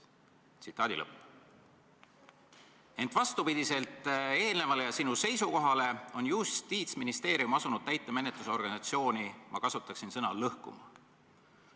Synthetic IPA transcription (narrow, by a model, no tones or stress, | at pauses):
t̪sit̪ːˑɑːd̪̥ḭlɤp | e̞nt̪ˑvɑst̪upid̪̥ise̞lt̪ˑe̞ːlne̞vɑlejɑsinuse̞jsuko̞ɦɑle̞o̞njust̪iːt̪sminist̪e̞ːɾijumɑsunud̪̥̚t̪æjt̪ːˑe̞me̞net̪luseo̞rɡ̥ɑnisɑt̪sio̞ːnimʔɑ̰kɑsut̪ːˑɑksinsɤnɑlɤhkṵmɑ